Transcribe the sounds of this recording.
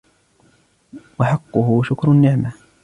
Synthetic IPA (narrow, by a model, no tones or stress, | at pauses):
wɑħɑqːʊhʊʃʊkɾˤnːɪʕma